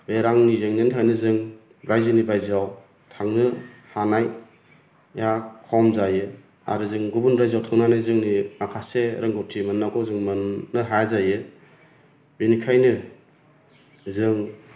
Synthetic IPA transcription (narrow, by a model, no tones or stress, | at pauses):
beɾaŋnizeŋnentʰajnɯzɯŋ | ɾajzɯnibajzaw | tʰaŋnɯhanaj | jakʰɔmzajɯ | a̰ɾɯzɯŋɡubunɾajzawtʰaŋnanajzɯŋninakʰaseɾaŋɡɯwtʰimɯnːakʰɔzɯŋmɯnːɯɦajzajɯ | binikʰajnɯ | zɯŋ